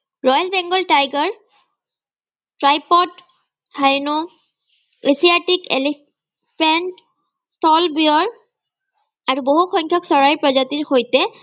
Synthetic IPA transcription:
ɹɔjɔlbɛŋɡɔltajɡɔɹ | tɹajpɔt | hajnu | esiatikḛli | pɹɛnt | stɔlbiɔɹ | aɹuboɦuxɔjɲkʰjɔksɔɹajɹpɹɔzatiɹxojtɛ

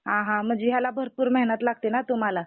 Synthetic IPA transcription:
ɦãɦãm̤əd͡ʑeɦjalabʱəɾpuːɾmɛɦnət̪laɡ̚t̪enat̪um̤ala

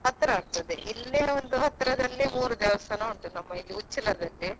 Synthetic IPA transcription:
ɦɐt̪ːɾɐaːɡ̚t̪ɐd̪eʔilːeond̪uɦɐt̪ːɾɐd̪ɐlːimuːɾud̪ɛːʋɐsɐnɐuɳʈunɐmːɐɡiut͡ʃːilɐd̪ɐɳɖe

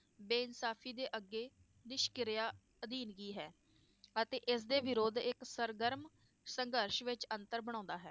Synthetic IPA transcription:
beːɪnsaːpʰiːd̪eːʔəɡːeː | nɪʃkɪɾɪjaː | əd̪iːnɡiːɦɛː | ət̪eːʔɪsd̪eːʋɪɾoːd̪ɪksəɾɡəɾm | səŋɡəɾʃʋɪt͡ʃənt̪əɾbəɽ̃ãːnd̪aːɦɛ̰ː

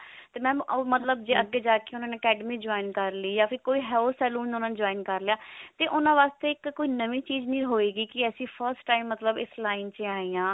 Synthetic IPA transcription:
t̪eːmɛ̃ːoːmət̪ləb̚d͡ʒeːəɡːeːd͡ʒaːkeʊnãːneːəkɛːɖəmiːd͡ʒoːɪnkəɾliːjaːpʰɪɾkoːiːɦɛːsɛːluːnʊnãːnd͡ʒoːinkəɾlejaːt̪eːʔʊnãːʋaːst̪eːɪkːoːiːnəʋiːt͡ʃiːd͡ʒnĩːɦoːeːɡiːkɪəsĩːpʰəɾsʈːaːɪmːət̪ləbɪslaːɪnt͡ʃeaːiːjãː

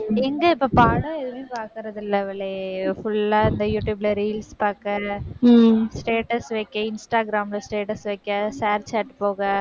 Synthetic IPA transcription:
ɛŋɡɐɪpːoːpaːɽɐ̃ɛðɯʋeːpaːɾkɪɾɐðɪlːɐʋɐɭːefʊɭːaːɪnd̪ɐjuːʈjuːbɪlɐɾiːlspaːɾkɐ̃ | sʈeːʈɐsʋɐɪkːɐ̃ɪnsʈaːɡɪɾaːmlɐsʈeːʈɐsʋɐɪkːɐ̃saːɾt͡ʃaːʈpoːɣɐ

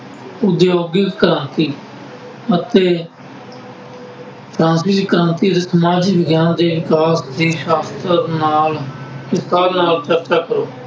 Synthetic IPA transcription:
ʊd̪joːɡɪkːəɾãːnt̪iː | ət̪eː | tɾãːsiːd̪iːkəɾãːnt̪iːd̪eːsəmaːd͡ʒiːbəɡjaːnd̪eːʋɪkaːsd̪iːʃaːst̪əɾnaːlkɪst̪aːɾnaːlt͡ʃəɾt͡ʃaːkəɾoː

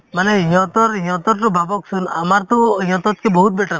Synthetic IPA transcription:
maneijɔ̃t̪ɔɾĩjɔ̃t̪ɔɾʈɔbʱabɔksʰuna̰maɾt̪ɔĩjɔ̃t̪ɔt̪̚kebɔɦut̪̚beʈaɾ

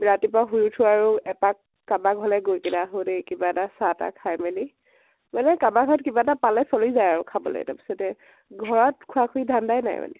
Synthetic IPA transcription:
ɹatip̬aɦujutʰʊaɹuɛpakːabaɡʱɔlɛɡojkinaɦodekibaɛtasata̰kʰajmeli | manɛkabaɡʱɔɹɔt̚kibaɛtapalɛsolizajaɹukʰabɔ̰lo̰jɛ̰ta̰pi̥sɔtɛ | ɡʱɔɹɔt̚kʰuakʰuidʱandajna̰j̰ma̰nɛ̰

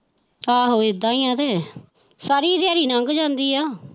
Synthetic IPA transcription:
aːɦoːɪd̪ãːiːãːd̪eː | saːɾiːd̪jaːɾiːnəŋɡd͡ʒãːnd̪iːaː

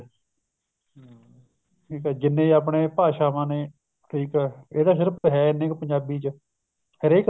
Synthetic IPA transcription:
ʈʰiːkɛːd͡ʒɪnːẽːaːp̬ɳeːpaːʃaːmãːneː | ʈʰiːkɛːeːdaːsɪɾpɦɛːɪnẽːkpəɲd͡ʒaːbiːt͡ʃ | hɪɾeːk

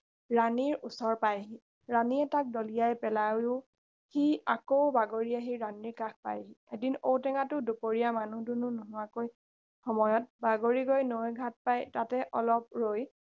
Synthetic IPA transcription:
ɹaniɹusɔɹpajɦi | ɹaniɛtak̚dɔlijajpɛlajʊ | hiakowbaɡoɹijaɦiɹaniɹkak̚pa̰jɦiedinowtɛŋatʊdupoɹijamanudunʊnuɦʊwakoj | xɔmɔjɔt̚baɡoɹiɡojnojɡʱat̚pajtatɛʔɔlɔp̚ɹoj

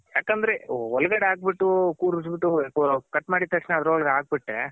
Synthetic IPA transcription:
jaːkɐnd̪ɾeɔlɐɡɐɽeaːɡ̚biʈːukuːɾusbiʈːukkɐʈːmaːɽit̪ɐʂneɐd̪ɐɾuɔɭɡaːɡ̚biʈɾḛ

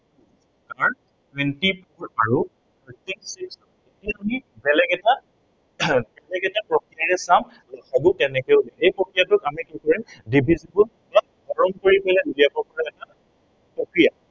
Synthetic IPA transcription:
s | kaɹ | twɛntipɔɹaɹu | tɔtisiks | etiamibɛlɛkɛta | bɛlɛkɛtapɹɔkɹijaɹɛsam | lɔkʰaɡuk̚tɛnɛkɛʊlɛejpɹɔkɹijatʊkamikikɔɹimdibʱizibul | ta | bɔɹɔmkoɹipɛlɛdulijabɔɹkɔɹaɛta | pɹɔkɹija

